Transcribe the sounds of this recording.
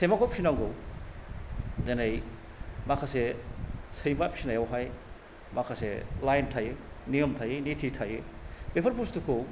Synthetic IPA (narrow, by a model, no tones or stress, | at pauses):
semakʰɔpʰinaŋɡow | denej | makʰasesɐjmapsinajawɦaj | makʰaselajntʰaje | niəmtʰajenitʰitʰajebepʰɐɾpustukʰo